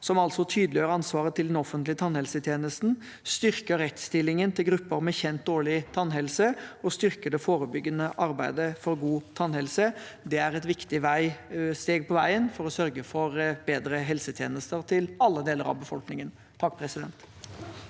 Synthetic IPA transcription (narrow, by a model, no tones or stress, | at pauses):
sɔmɑlsɔt̪ʰyːd̪lɪjøːɾɑnsʋɑːɾət̪ʰɪld̪ɛnɔfənt̪lɪət̪ʰɑnhɛlsət̪ʰjeːnəst̪n̩ | st̪ʏɾkəɾːɛt̪st̪ɪlːɪŋənt̪ʰɪlɡɾʉpːəɾmɛçɛnt̪̚d̪oːɭɪt̪ʰɑnːɦɛlsəɔst̪ʏɾkəɖɛfoːɾəbʏɡːənəʔɑɾbæɪd̪əfɔɾɡuːt̪ʰɑnːhɛlsəd̪ɛæɾɛt̪ʋɪkt̪ɪʋæɪst̪eːɡ̚pʰɔʋæɪənfɔɾɔsœɾɡəfɔɾbeːd̪ɾəɦɛlsət̪ʰjeːnəst̪əɾt̪ʰɪlɑlːəd̪eːləɾɑ̰ʋbəfɔlknɪŋən | t̪ʰɑkːpʰɾɛsɪd̪ɛnt̪